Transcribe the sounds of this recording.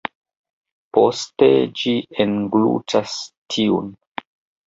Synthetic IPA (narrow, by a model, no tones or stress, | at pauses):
posted͡ʒienɡlṵt͡ʃastʰiṵn